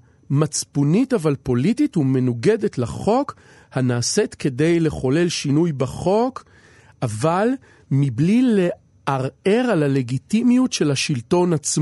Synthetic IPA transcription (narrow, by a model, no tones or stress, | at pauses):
mat͡spunitavalpo̞lititume̞nuɡe̞de̞tlaχo̞k | hanaːse̞t̪ke̞de̞jle̞χo̞le̞lʃinujbaχo̞k | ʔaval | miblile | ʔaʁe̞ʁalale̞ɡit̪imijutʃe̞lhaʃilto̞nat͡sm